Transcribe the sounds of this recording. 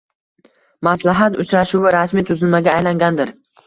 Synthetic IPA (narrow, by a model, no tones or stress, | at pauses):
maslaɦat̪ʊt͡ʃɾaʃuwɪɾasmit̪ʰʊzɪlmaɡʲaːjlaŋɡʲand̪ɪɾ